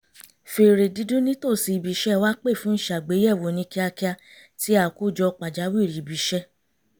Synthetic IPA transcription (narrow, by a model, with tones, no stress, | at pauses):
fe˨ɾe˨di˧˦dũ˦nĩ˦to˦˨si˧i˨bi˨ʃɛ˦˨wa˦k͡pe˦˨fũ˦n̩˦ʃa˨ɡ͡be˨˦ɛ˦˨wo˨nĩ˧˦ki˧a˧ki˦a˧ti˦a˦˨ku˦˨d͡ʒɔ˧k͡pa˨d͡ʒa˨˦wi˦˨ɾi˨bi˨ʃɛ˦